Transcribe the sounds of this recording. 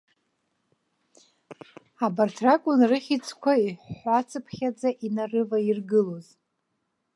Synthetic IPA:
abartʰrakʷʼʊnrɨχʲit͡sʰʼkʷʰaiħat͡sʰɨpʰχʲad͡zaʔinarɨvairɡɨlo̞z

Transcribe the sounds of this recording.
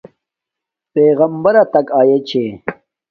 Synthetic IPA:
peːɣɐmbɐɾɐt̪ɐkaːjet͡ɕʰe

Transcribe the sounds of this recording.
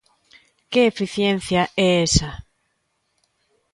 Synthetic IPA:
keefiθjen̟θjaʔɛesa

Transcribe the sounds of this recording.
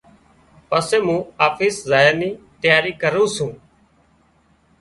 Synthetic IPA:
pəseːmũːaːfiːszaːjəniː | t̪jaːɾiːkəɾũːsũː

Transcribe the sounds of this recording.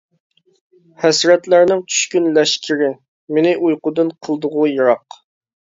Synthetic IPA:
hɛsɾɛt̪læɾnɪŋt͡ʃʰy̥ʃkʲynlɛʃkʲʰɪɾɪ | mɪnɪʔujqʊd̪ɨnqʰəlˠd̪ʊʁʊjəɾɑq

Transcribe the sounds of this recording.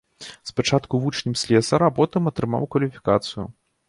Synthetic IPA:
spat͡ʂat̪kuvut͡ʂnʲimsʲlʲɛsɐɾɐapɔt̪ɨmɐt̪ɾɨma̰wkvɐlʲifʲi̥kat̪sɨju

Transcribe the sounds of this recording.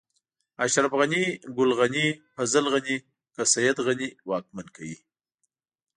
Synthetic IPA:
aʃɾafɣaniɡʊlɣanifazalɣani | kasajad̪ɣaniwɑk̚mankʰawi

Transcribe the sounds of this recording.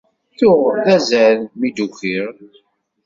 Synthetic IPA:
θʊʁðæzælmid̪ukiɾ

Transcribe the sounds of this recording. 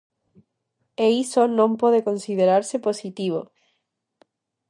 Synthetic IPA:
eisonõmpoðekõnsiðeɾaɾseposit̪iβ̞o

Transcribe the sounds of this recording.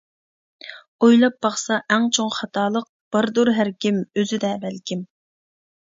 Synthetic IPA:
ojlˠɑp̚bɑχsɑʔæŋt͡ʃʰoŋχɑt̪ʰɑːlˠəq̚b̥ɑɾd̪oɾɦæɾkʲimøzɪd̪ɛbælkʲim

